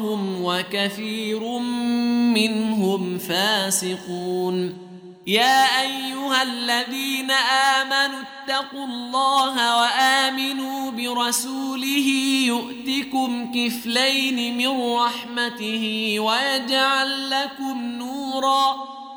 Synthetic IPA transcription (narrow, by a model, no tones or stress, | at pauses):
hʊmwakaθiːɾʊmːɪnɦʊmfaːsɪquːn | jaːʔajːʊhalːaðiːnaʔaːmanʊt̪ːɑqulˤːɑːɦawaʔaːmɪnuːbɪɾˤɑsuːlɪɦiːjʊʔt̪ɪkʊmkɪflajnɪmɪnɾːɑħmat̪ɪhɪwajad͡ʒʕalːakʊmnuːɾˤɑː